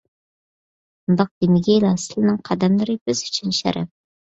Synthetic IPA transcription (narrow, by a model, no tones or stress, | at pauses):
md̪ɑq̚d̪inɪɡʲɛlˠɑsɪlˠɨnɨŋqʰɑd̪ɛmlˠɨɾɨbɪzyt͡ʃʰynʃɛ̰ɾɛ̰p̚